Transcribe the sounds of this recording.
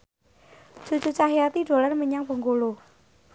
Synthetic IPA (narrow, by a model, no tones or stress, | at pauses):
d͡ʒ̥ṳd͡ʒ̥ṳt͡ʃaɦiat̪iɖ̥o̤larməɲaŋbə̤ŋɡolo